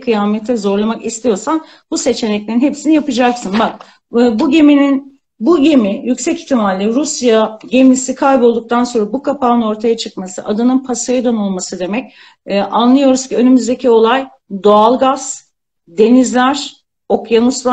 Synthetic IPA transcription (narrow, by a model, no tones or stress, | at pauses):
kʰɯjaːmɛt̪ʰːɛzo̞ɾlˠamakist̪ʰijo̞ɾsan | buse̞t͡ʃʰe̞nɛclʲe̞ɾinɦe̞psinijapɯd͡ʒaksɯnbak̚ː | buɟe̞minin | buɟe̞mijycsɛci̥çt̪ʰːimalʲːeɾusjaɟemlʲisikʰajbo̞lˠd̪uk̚t̪ʰanso̞nɾabukʰapaːɯno̞ɾt̪ʰajat͡ʃʰɯk̚masɯ̰ʔad̪ɯnɯnpʰasajɯd̪ano̞lˠmasɯd̪e̞mɛcː | ʔanlˠɯjo̞ɾuzcʰiø̞nymyzd̪e̞cʰio̞lˠaj | d̪o̞alˠɡaz̥ | d̪e̞nizlʲæɾ̥ | o̞kjanuslˠa